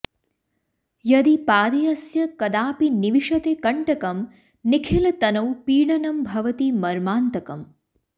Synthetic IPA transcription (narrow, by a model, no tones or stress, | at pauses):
jɐd̪ipaːd̪ijɐsjɐkɐd̪aːpiniʋiʂɐt̪eːkɐɳʈɐkɐm | nikʰilɐt̪ɐnɐwpiːɽɐnɐmbʱɐʋɐt̪imɐɾmaːnt̪ɐkɐm